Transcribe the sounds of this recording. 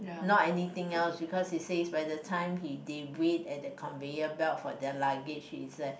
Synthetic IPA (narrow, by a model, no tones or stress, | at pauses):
nɔtɛnit̪ɪ̃ŋɛlsbikɔshisesbajdətʰãɪ̃mhidewetɛt̚dəkʰɔ̃nvejəbɛtfɔdɛlaɡid͡ʒhisa